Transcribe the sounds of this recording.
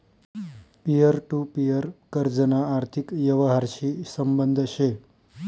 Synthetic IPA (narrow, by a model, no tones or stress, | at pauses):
pijəɾʈupijəɾkəɾd͡ʒənaːɾt̪ʰikjəʋəɦaɾʃisəmbənd̪ʱʃe